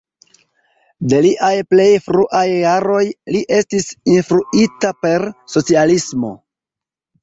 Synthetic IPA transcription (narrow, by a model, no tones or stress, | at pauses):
de̞liʔajple̞jfɾuʔajːaɾo̞jliʔe̞stisinfɾuitape̞ɾso̞t͡sialismo̞̰